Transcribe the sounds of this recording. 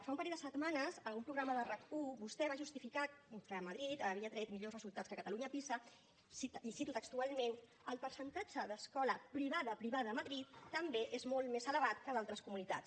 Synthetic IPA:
faũmpəɾɛd̪əsət̪manəzəumpɾuɣɾaməðərəkkuβust̪ɛβaʒust̪ifikat̪̚kəməðɾit̪əβiət̪ɾəit̪miʎorəzulˠt̪at͡skəkət̪əluɲəpisə | siisit̪ut̪əkst̪ualˠmen | əlˠpəɾsənt̪ad͡ʒəðəskɔləpɾiβ̞aðəpɾiβaðəːməðɾit̪ːəmbeʔezmolˠt̪mezələβ̞at̪̚kəðalˠt̪ɾəskumunit̪a̰ts

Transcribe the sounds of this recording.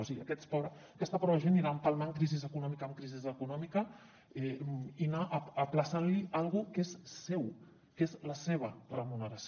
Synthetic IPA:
osiɣiə̰kɛt̪spɔɾ | kɛst̪əpɾɔβəʒeniɾampalmaŋkɾizizəkunɔmikəːmkɾizizəkunɔmikə | ɛinaʔːplasanlialˠɣukezsɛw | kezləseβ̞ərəmunəɾas

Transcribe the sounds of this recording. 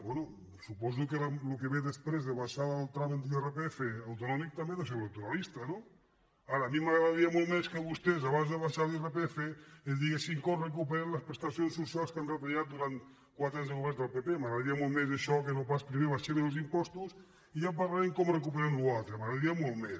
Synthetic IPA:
bwenu | supɔzukealukeβeðespɾezðeβaʃaðlˠt̪ɾamant̪̬ierepeefeawt̪unɔmik̚t̪ambeðesewnat̪uɾalist̪ano | aɾaːmimaɣɾaaðaɾiamɔlˠmeskəβust̪ezaβanzðeβaʃaɾerepeefeezd̪iɣesiŋkɔmrek̬upeɾenləspɾest̪asjonsusalˠskanret̪eʎat̪̚d̪uɾant̪ | kwat̪ɾaɲzəuβɛɾzðəlˠpepemaɣɾaðaɾiamolˠmezeʃɔkenopaspɾimeβaʃeβɾelˠzimpɔst̪us | iʎampaɣlaɾeŋkɔmrek̬upeɾemlualˠt̪ɾemaɣɾaðɾiamɔlˠmes

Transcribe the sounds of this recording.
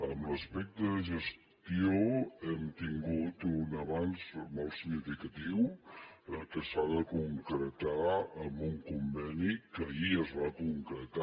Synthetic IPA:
əmrəspɛk̚t̪əʒəs | t̪ioɛmt̪iŋɡut̪unəβanzmolˠsiɣnifikət̪iw | kəsaðəkuŋkɾət̪aəmbuŋkumbɛnikəiəzβakuŋkɾət̪a

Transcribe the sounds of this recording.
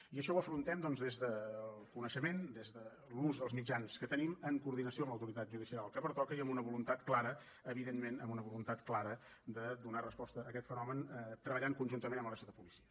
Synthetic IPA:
iəʃɔwəfɾunt̪ɛmd̪ɔnzðezðəlˠkunəʃəmend̪ezðə | luzðəlˠzmid͡ʒanskət̪əniməŋkuːɾðinəsioəmləwt̪uɾit̪at̪ʒuð̞isialˠkəpəɾt̪ɔkəiəmunəβulunt̪at̪klaɾə | əβiðenmenə̰munəβulunt̪at̪klaɾə | d̪əd̪unarəspɔst̪əəːkɛt̪fənɔmənət̪ɾəβəʎaŋkunʒunt̪əmenəmlˠəsəðəpulisiə

